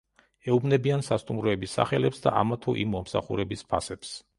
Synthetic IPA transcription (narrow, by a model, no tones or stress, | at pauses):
ɛubnɛbiansast̪ʼumɾɔɛbisːa̰χɛlɛpsd̪a̰ʔa̰mat̪ʰɔʔimːɔmsa̰χṵɾɛbispʰasɛps